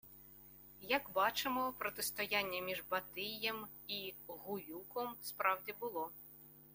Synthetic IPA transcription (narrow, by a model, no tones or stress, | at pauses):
jɐɡbɑt͡ʃɪmɔpɾɔt̪ɪst̪ɔjanʲːɐmʲiʒbɐt̪ɪjɛm | iɣʊjukɔmspɾɑwdʲibʊlˠɔ